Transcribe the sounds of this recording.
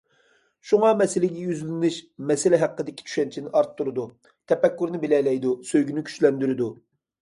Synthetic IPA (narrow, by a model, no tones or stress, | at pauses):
ʃuŋɑmɛsɪlɪɡʲɛjyzlɪnɪʃmɛsɪlɪɦæqːəd̪ɪkʲʰi̥t͡ʃʰy̥ʃɛnt͡ʃʰinɪʔɑɾt̪ʰːuɾɨd̪u | t̪ʰɛpɛkʲːyɾnɪbɪlɛlɛjd̪usøjɡʲynykʲʰy̥ʃlɛnd̪yɾɪd̪u